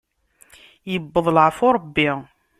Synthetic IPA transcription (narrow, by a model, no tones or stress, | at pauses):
jəbːəðˤlʕfʊɾˤəbːi